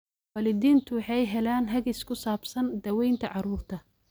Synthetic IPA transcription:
wɑːlɪd̪iːnt̪ʰʊwɑħɑjɦɛlaːnɦɐɣɪskʰʊsaːbsɐnd̪ɐwɛjnt̪ʰɐʕɑɾuːrt̪ʰɐ

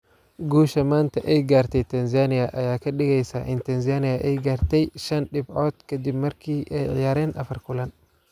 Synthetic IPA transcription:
ɡuːʃɐmaːnt̪ʰɐʔɛjɡaːrt̪ʰɛjt̪ʰɐnzanɪjɐʔɐjaːkʰɐɗɪɣɛjsa̰ʔɪnt̪ʰɐnz̬anɪjɐʔɛjɡaːrt̪ʰɛjʃɐnɗɪbɔt̪kʰɐd̪ɪbmɐrkʰiːʔɛjʕɪ̰jaːɾɛːnʔɐfɐrkʊlɐn

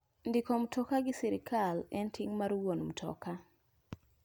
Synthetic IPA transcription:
ndikɔmtʰɔkaɡɪsɛɾikʰalɛntʰiŋmaɾwonm̩tʰɔ̰ka

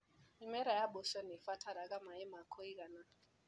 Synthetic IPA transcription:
imɛɾajaɓɔʃɔnifatʰaɾakamaɛmakʰoikana

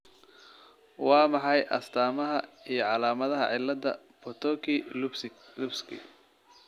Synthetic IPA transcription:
wɑːmɑħɑjʔɐ̰st̪ʰaːmɐɦɐijɞʕɑlaːmɐðɐɦɐ̰ʕɪlːɐd̪ɐ | pʰɔt̪ʰɔkʰi | lʊbskʰḭ

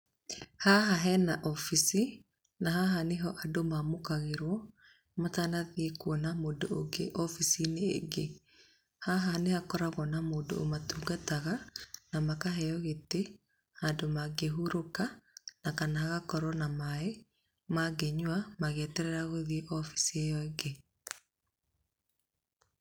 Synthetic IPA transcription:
haɦaɦɛnaʔɔfisi | naɦaɦaneɦɔʔadomamokaɣeɾwɔ | matanaðiekwɔnamoːdooɡeʔɔfisineḛɡe | haɦanehakɔɾaɣɔnamoːdo̰o̰matuːɡataɣanamakaɦɛjɔɣete | handomaɡeɦuɾokanakanaɣakɔɾɔnamae | maɡɛɲwamaɣetɛɾɛɾaɣoðieʔɔfi̥siejɔeɡe

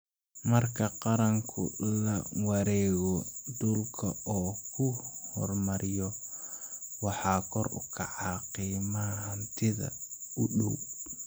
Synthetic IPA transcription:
mɐrkʰɐqɑɾɐŋkʰʊ̰lɐwɑɾɛːɣɔd̪ʊlkʰɐɔːkʰʊhɔrmɐɾɪjɔ | wɑħɑːkʰɔrʊ̰kʰɑʕɑːqiːmahɐnt̪ʰɪðɐ̰ʊɗɔw

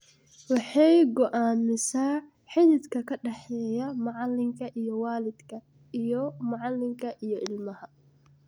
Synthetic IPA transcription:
wɑħɑjɡɔʔaːmɪsaː | ħɪðɪd̪kʰɐkʰɐɖɛħɛːjɐmʊʕɑlːɪŋkʰɐʔijɔwaːlɪd̪kʰɐ | ijɔmɑʕɑlːɪŋkʰɐʔijɔʔɪlmɐhɐ

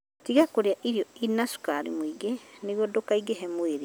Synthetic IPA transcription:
tiɣakoɾeaʔiɾiɔinasu̥kaɾḭmoiɡeneɣwɔdokaiɡeɦɛmweɾe

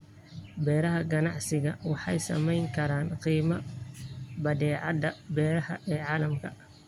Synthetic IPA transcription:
bɛːɾɐɦɐɡɐnɑʕsɪɣɐwɑħɑ̰jsɐ̰mɛjŋkʰɐɾaːnqiːmɐ | bɐd̪ɛːʕɑd̪ɐbɛːɾɐhɐʔɛːʕɑːlɐmkʰɐ

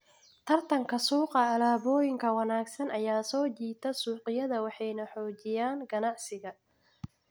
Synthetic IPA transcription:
t̪ʰɐrt̪ʰɐŋkʰɐsuːqɑːlaːβɔːjɪŋkʰɐwɑnaːɡsɐnʔɐjaːsɔːt͡ʃiːt̪ʰɐsuːqɪjɐðɐwɑħɑjnɐħɔːt͡ʃɪjaːŋɡɐnɑʕsɪɣɐ

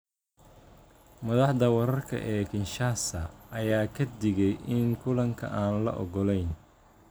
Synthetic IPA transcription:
mɐðɑħd̪ɐwɐɾɐrkʰɐ̰ʔɛːkʰɪnʃaːsɐːjaːkʰɐd̪ɪɣɛjʔɪŋkʰʊlɐŋkʰɐ̰ʔaːnlɐ̰ʔɔ̰ɣɔlɛjn

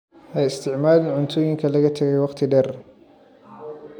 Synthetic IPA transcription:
ʔɛjɪst̪ʰɪʕmaːlɪnʕʊnt̪ʰɔːjɪŋkʰɐlɐɣɐt̪ʰɐɣɛjwɑqt̪ʰɪɖɛr

